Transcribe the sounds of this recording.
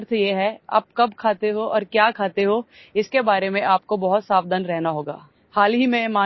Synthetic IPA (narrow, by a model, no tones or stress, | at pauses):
ɾt̪ʰjeɦɛa̰ːp̚kɐbkʰaːt̪eɦoʔɔːɾkjaːkʰaːt̪eɦo | ɪskebaːɾemẽʔaːp̚kobɐɦʊt̪saːbd̪ənɾɛɦnaɦoːɡa̰ː | haːlɦimẽmaː